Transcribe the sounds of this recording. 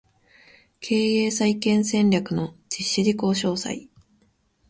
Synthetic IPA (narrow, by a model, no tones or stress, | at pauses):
kʰe̞ːeːsaikẽ̞ɰ̃sẽ̞ɲʲɾʲakɯ̟no̞d͡ʑ̥iɕːiɾʲiko̞ːɕo̞ːsa̰i